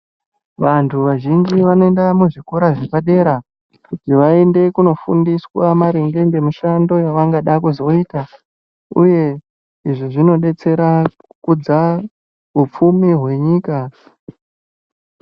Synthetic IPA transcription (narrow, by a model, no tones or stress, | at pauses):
ʋantʰuʋaʒind͡ʒiʋanoe̞ndamuʐikuɾaʐekaɗe̞ɾa | kutiʋae̞nde̞kuno̞fundiswamaɾeŋɡe̞ŋɡe̞muʃando̞jaʋaŋɡaɗakuzo̞ita | ṵje̞ | iʐiʐino̞ɗe̞t͡se̞ɾa | kud͡za | ɦup͡fumiɦwe̞ɲiːka